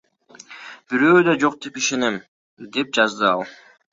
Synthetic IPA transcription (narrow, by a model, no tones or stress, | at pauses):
b̥iɾøːd̪ɑd͡ʒo̞q̚d̪epiʃe̞ne̞m | d̪e̞p̚d͡ʒɑzd̪ɯɑlˠ